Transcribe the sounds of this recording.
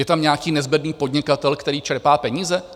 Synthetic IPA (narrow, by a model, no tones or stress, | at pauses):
jɛt̪amɲɛakiːnɛzbɛd̪niːpo̞dɲɪkat̪ɛlkt̪ɛɾiːt͡ʃɛɾpaːpɛɲiːzɛ